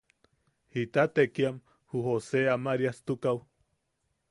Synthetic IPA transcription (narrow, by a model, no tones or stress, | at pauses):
hit̪at̪ekiam | huhoseamaɾiast̪ukaw